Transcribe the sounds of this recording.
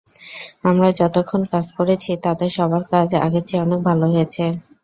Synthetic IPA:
amɾad͡ʑɔt̪okʰːonkad͡ʑkoɾet͡ɕʰit̪ad̪eɾʃɔbaɾkad͡ʑa̰ɡet͡ɕeɔnek̚bʱaloɦojet͡ɕʰe

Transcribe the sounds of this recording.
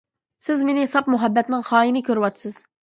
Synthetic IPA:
sɪzmenɪsɑp̚muɦɛbːɛt̪nɪŋχɑːinɪkʲøɾɪwɑt̪sɨz̥

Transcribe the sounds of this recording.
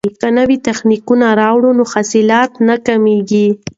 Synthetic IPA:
kanawit̪axnikunaɾɑwɽunoxasɪlɑt̪nakameɡi

